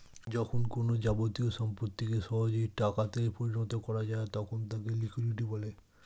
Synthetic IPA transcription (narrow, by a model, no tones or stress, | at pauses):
d͡ʑɔkʰonkonod͡ʑabot̪ioʃɔmpɾot̪ːikeʃɔɦod͡ʑoiʈakat̪epoɾinɔt̪okɔɾad͡ʑaet̪ɔkʰont̪akelikʰwiɖiʈibɔle